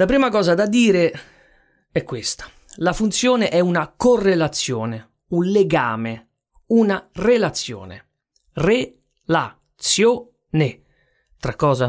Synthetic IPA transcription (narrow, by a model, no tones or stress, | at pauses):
lapɾiːmakɔːzad̪ad̪iːɾe | ɛkːwest̪ḁ | lafunt̪sjoːneʔɛunakorːelat̪sːjoːne | unleɡaːme | unarelat̪sːjo̰ːnḛ | re | la | t̪sjo | ne | t̪ɾakːɔːza